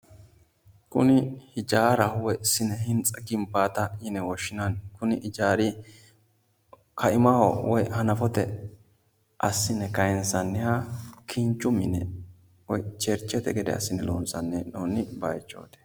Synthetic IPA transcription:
kʊ̰nɪhɪd͡ʒaːɾɐhwɔsɪnɛhɪnt͡sʼɐɡɪmpːaːt̪ɐjɪnɛwɔʃːɪnankʊnɪʔɪd͡ʒaːɾi | kʰɐʔɪmɐhɔ̰wɔjhɐnɐfɔt̪ɛ | ʔɐsːɪnːɛkɐjɛnsɐnːɛhakʰɪnt͡ʃʼːʊmːɪnɛ̰ | wɔjt͡ʃɛɾt͡ʃːɛt̪ɛɡɛd̪ɛ̰ɐ̰sːɪnɛlo̰ːnsɐnːɛnoːnːɪbɐjt͡ʃːo̰ːd̪ɛ̥

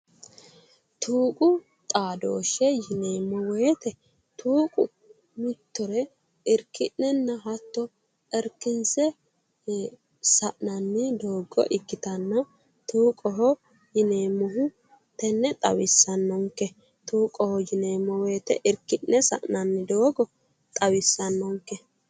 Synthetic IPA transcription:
t̪ʰuːkʼʊ | t̪ʼaːd̪oːʃɛjɪneːmːɔweːt̪ɛ | t̪ʰuːkʼʊ | mɪt̪ːɔɾɛ | ɪɾkɪʔːɛnːɐɦɐt̪ːɔ | ɛɾkːɪnsɛ | sɐʔnɐnːɪd̪o̞ːɡɔ̰ʔɪkːɪt̪ɐnːɐ | t̪uːkʼɔɦɔ | jɪneːmːɔɦʊ | t̪ɛnːɛt̪ʼɐwɪsːɐnːɔŋkːɛ | t̪uːkʼɔhɔjɪneːmːɔweːt̪ɛ̰ʔɪɾkɪʔːɛsɐ̰ʔnɐnːɪd̪oːɡɔ | t̪ʼɐwɪsːɐnːɔŋkːɛ

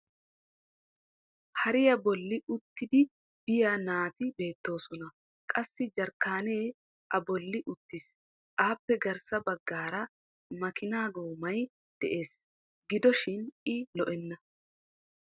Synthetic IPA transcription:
hɐɾɪjɐbɔlːɪʊt̪ːɪd̪ɪ | b̥ɪjanaːt̪ɪbe̞ːt̪ːo̞ːsɔnɐ | kʼɐsːɪd͡ʒɐɾkːaːne̞ː | ʔɐbɔlːɪʔʊt̪ːɪs | ʔaːpːɛɡɐɾsɐbɐɡːaːɾɐ | mɐkɪnaːɡoːmɐj | d̪̥ɛʔe̞ːs | ɡɪd̪ɔʃɪnɪlɔʔɛnːɐ

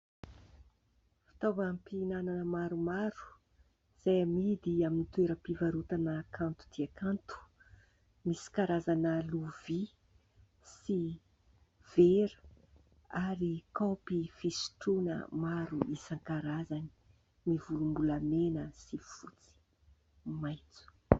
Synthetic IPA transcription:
fi̥t̪ovampinananəmaɾumaɾu̥ | z̥ajamid̪iaminit̪weɾəpivaɾut̪anəkʰant̪u̥d̪̥iakant̪u̥ | misi̥kaɾazanəluvi | si | v̥eɾə̥ | aɾikawpifisi̥ʈ͡ʂunə̰maɾuisaŋkaɾazani̥ | mivulumbulamenəsifut͡si̥ | majt͡su̥

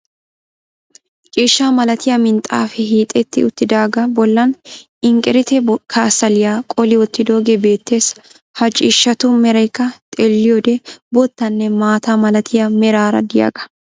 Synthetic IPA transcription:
t͡ʃʼɪːʃːaːmɐlɐt̪ɪjɐmɪnt̪ʼa̰ːfɛɦiːt̪ʼːɛt̪ːɪʊt̪ːɪd̪aːɡɐbɔlːɐn | ɪŋkʼɛɾɪt̪ɛkʰɐsɐlɪjaːkʼɔlɪwɔt̪ːɪd̪o̞ːɡebe̞ːt̪ːe̞ːs | hɐt͡ʃʼɪʃːɐt̪ʊmɛɾɐjkːɐt̪ʼɛlːɪjoːd̪ɛbɔt̪ːɐnːɛmaːt̪aːmɐlɐt̪ʰɪjɐmɛɾaːɾɐ̰d̪ɪja̰ːɡɐ̥

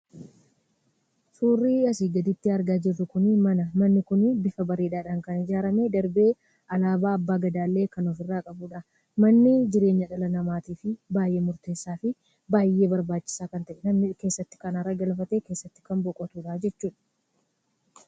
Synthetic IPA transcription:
suːrːiːɐsiːɡɐd̪ɪt̪ːɪɐɾɡaːd͡ʒɪrːʊkʊnɪmɐnɐmɐnːɪkʊnɪbɪfɐbɐɾiːᶑaːᶑaːŋkɐnɪd͡ʒaːɾɐmed̪ɐɾbe̞ː | ʔɐlaːbaːɐbːaːɡɐd̪aːlːe̞ːkɐnɔfɪrːaːkʼɐbuːᶑa | mɐnːɪd͡ʒɪɾe̞ːɲːɐᶑɐlɐnɐmaːt̪iːfɪbaːjʔeːmʊɾt̪e̞ːsːaːfɪ | baːjːe̞ːbɐɾbaːt͡ʃːɪ̥saːkɐnt̪ɐʔɛnɐmnɪke̞ːsːɐt̪ːɪ̥kɐnɐɾɐɡɐlfɐt̪eːkeːsːɐt̪ːɪ̥kɐmbɔkʼɔt̪uːᶑaːd͡ʒɛt͡ʃːuːᶑɐ̥

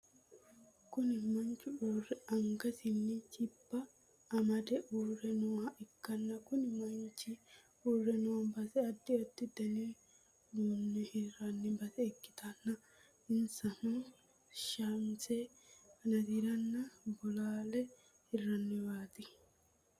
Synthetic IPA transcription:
kʊnɪmɐɲt͡ʃʊʔuːrɛɐŋɡɐsɪnːɪt͡ʃɪbːɐː | mɐd̪ɛʔurɛnʊwaʔɪkːɐnːɐkʊnɪmɐɲt͡ʃɪ | uːrːɛnʊwɐmbɐsɛɐd̪ːɪɔt̪ːɪd̪ɐni | duːnːɛhɪrɐnːɪbɐsɛːkːɪ̥t̪ɐnːɐ | ɪnsɐnu | ʃanse | ɐnɐd̪iɾɐnːɐbɔlaːlɛ | hɪrːɐnːɪbaːt̪ɪ

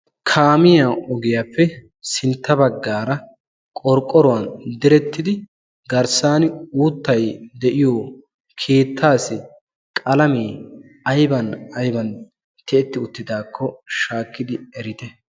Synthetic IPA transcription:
kʰaːmɪjaɔɡɪjapːɛ | sɪnt̪ːɐbɐɡːaːɾɐ | kʼɔɾkʼːɔɾɔwɐnd̪ɛɾɛt̪ːɪd̪ɪ | ɡɐɾsaːnuːt̪ːɐjd̪ɛʔɪjoː | kʰe̞ːt̪ʰːaːsɪ | kʼɐlɐmeː | ɐjbɐnɐjbɐn | t̪ɛɛt̪ːɪʊt̪ːɪd̪aːkʰːɔʃaːkːɪd̪ɪɛɾɪt̪ɛ

